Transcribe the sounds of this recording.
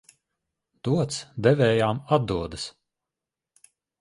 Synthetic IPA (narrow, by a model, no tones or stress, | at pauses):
d̪̥uɔt̪sd̪ɛvɛːjaːmad̪̚d̪uɔd̪ɨs